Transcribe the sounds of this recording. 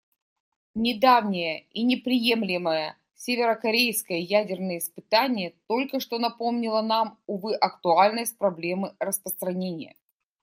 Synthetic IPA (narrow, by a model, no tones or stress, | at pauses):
nʲɪd̪avnʲɪjəinʲɪpɾʲɪje̞mlʲɪməjə | sʲevʲɪɾəkɐɾʲejskəjəjædʲɪrnəjəɪspɨt̪anʲɪjət̪o̞lʲkəʂt̪o̞nɐpo̞mnʲɪlˠənamʊvɨʔɐkt̪ʊalʲnəjsʲt̪̚ʲpɾɐblʲe̞mɨrəspɾəst̪ɾɐnʲenʲɪjə̰